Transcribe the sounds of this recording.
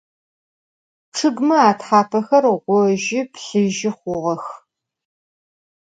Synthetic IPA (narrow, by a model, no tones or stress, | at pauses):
ʈ͡ʂʰɨɡmɨaːtħaːpʰɐxɐrʁʷɔʊʒɪpɬɨʒɪχʷʊʁɐx